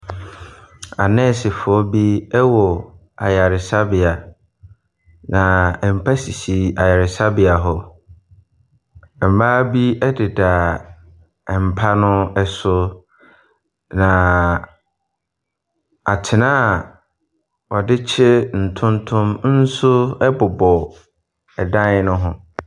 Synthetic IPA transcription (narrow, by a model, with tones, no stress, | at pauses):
a˨nɛ̃˦˨sɪ˨fʊ˨ɔ˦bi˦ɛ˦wɔ˨ | a̰˨ja˨ɾɪ˨sa˦bɪ˨a˨ | nã˨ɛ˨m̩˨pʰa˦si˨si˨a˨ja˨ɾɪ˨sa˦bɪ˨a˨ɦɔ˨ | ɛ˨m̩˨baː˦bi˦ɛ˦dɪ˨da˨ | ɛ˨m̩˨pʰa˦nʊ̃˦ɛ˦sʊ˦ | nã˨ | a˨tʰɪ˨nãː˦˨ | wɔ˨dɪ˦t͡ɕʰɪ˦n̩˨tʰʊ̃˦ntʰʊ̃˦mn̩˦sʊ˦ɛ˦bʊ˨bɔ˨ | ɛ˨dã˦nɪ˦nʊ̃˦ɦʊ̃˨